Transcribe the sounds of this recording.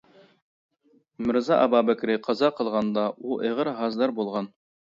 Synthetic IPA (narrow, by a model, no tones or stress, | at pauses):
mɘ̆ɾzɑʔɑbɑbɘ̆kɾɘqʰɑzɑqɤ̆lˠʁɑnd̪ɑʔuʔɤ̆ʁɤɾɦɑzd̪ɑɾbulˠʁɑn